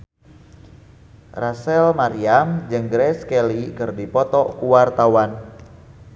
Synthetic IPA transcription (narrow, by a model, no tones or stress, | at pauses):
rasɛlmaɾiamd͡ʒɨŋɡɾɛskɛlikɨrdipɔt̪ɔkuwart̪awan